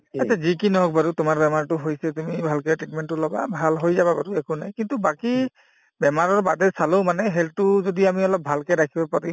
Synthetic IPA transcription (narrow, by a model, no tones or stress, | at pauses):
asʰazikinɔɦɔk̚baɾutʊmaɹbɛmaɹtʊɦojsɛtumibʱalkɛtɹitmɛntːʊlɔba̰bʱalɦojzababaduɛkʊnajkintubaki | bɛmaɹɔɹbadɛsalõʊmanɛɦɛltʊzodiamiɔlɔp̚bʱalkɛdakʰibapaɹi